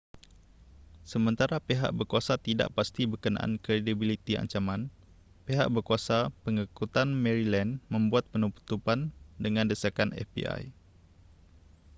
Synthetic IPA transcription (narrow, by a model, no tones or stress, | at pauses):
səmə̃nt̪aɾapeɦa̰ʔ̚bərkuasat̪ida̰ʔpast̪ibərkənã̰ʔa̰nkɾedibilit̪ia̰ɲt͡ʃamãn | peɦa̰ʔbərkuasapəŋikut̪anmɛ̃ɾilɛnmə̃mbuat̪̚pənupu̥t̪upandəŋãndəsakanɛ̰fbḭa̰j